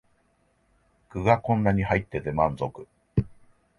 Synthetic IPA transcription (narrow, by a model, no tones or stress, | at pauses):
kɯ̟ɡakõ̞nːaɲ̟ihait̪ːe̞t̪e̞mãnzokɯ̟̥